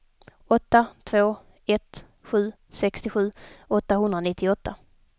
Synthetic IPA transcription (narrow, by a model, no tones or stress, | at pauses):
ɔt̪ːat̪ʰvoː | ɛt̪ | ɧʉ̟ː | sɛkst̪ɪɧʉ̟ːɔt̪ːaɦɵnd̪ɾanɪt̪ʰːɪɔt̪ːa